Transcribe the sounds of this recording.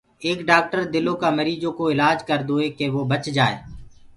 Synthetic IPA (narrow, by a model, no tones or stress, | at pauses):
eːkɖaːk̚ʈəɾd̪ɪloːkaːməɾiːd͡ʒõːkoːɪlaːd͡ʒkəɾd̪oːeːkeːʋoːbət͡ʃd͡ʒaːḛː